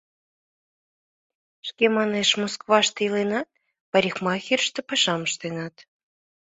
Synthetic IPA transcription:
ʃkemɑneʃmoskβɑʃt̪ɤilenɑ | pɑɾʲixmɑxʲirʃt̪ĕpɑʃɑməʃt̪enɑt̪

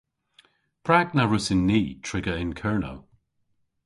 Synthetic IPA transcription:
pʰɹaɡnaɹʊsɪnːiːtʰɹɪɡəɪnkʰɛːɹno̰w

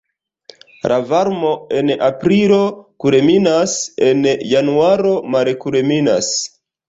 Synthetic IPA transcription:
lʔavaɾmo̞e̞napɾiɾo̞kuɾeminase̞njanuaɾo̞maɾekuɾemina̰s

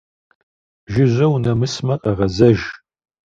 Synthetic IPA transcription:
ʒɪʒʷɐwnɐmɨsmɐqʼɐʁɐzɐʒ

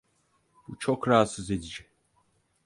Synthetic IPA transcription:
but͡ʃʰo̞kɾaat̪sɯze̞d̪id͡ʒɛ

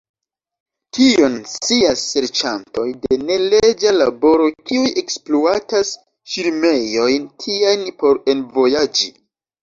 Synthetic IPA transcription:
tio̞nsiasːe̞ɾt͡ʃanto̞jde̞ne̞led͡ʒalabo̞ɾo̞kiujʔe̞kspluatas | ʃiɾme̞jo̞jntʰiajnpo̞ɾe̞nvo̞jad͡ʒi

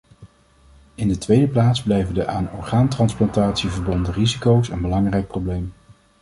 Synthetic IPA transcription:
ɪndətʋejdəplaːdzblɛjvəndəʔaːnɔɹχaːntrɑnsplɑntaːtsivəɹbɔndərizikowsənbəlɑŋrɛjk̚prowblejm

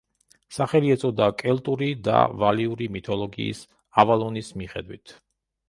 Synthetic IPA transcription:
saχɛliɛt̪sʰʼɔd̪akʼɛlt̪ʼuɾid̪a̰valiuɾimit̪ʰɔlˠɔɡḭːs | avalˠɔnismiχɛd̪wit̪ʰ

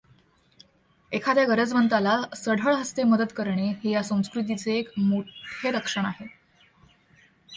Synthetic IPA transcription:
ekʰad̪jaɡəɾəd͡zmənt̪alasəɽʱəɭɦəst̪eməd̪əd̪kəɾɳeɦejasə̃w̃skɾut̪̬it͡seːkmoʈʰeɾəkʂəɳ̃aɦe

